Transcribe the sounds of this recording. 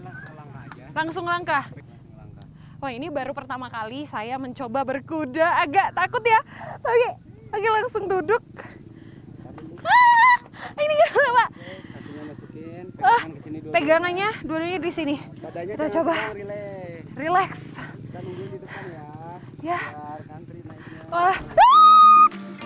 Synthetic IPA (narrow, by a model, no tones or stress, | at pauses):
laŋsʊŋlaŋka | wahinibaɾupərt̪amakalisajaməɲt͡ʃobabərkudaːɡaʔt̪akʊt̪jalaɡilaɡalaŋsʊŋdudʊk̚ | iniɡaapa | ahpeɡaŋanɲaduadukɲadisini | it̪at͡ʃoba | rilɛks | ja | a